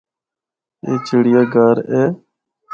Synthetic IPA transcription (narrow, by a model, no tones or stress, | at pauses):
eːt͡ʃʰəɽɪjaːɡaːɾeː